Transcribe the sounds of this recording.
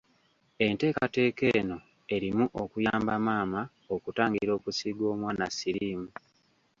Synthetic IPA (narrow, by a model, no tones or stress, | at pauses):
e̞nte̞ːkate̞ːke̞ːno̞ | e̞ɾimuʔokujaːmbamaːma | okutaːŋɡiiɾo̞ːkusiɡo̞ːmwaːnasiɾiːmu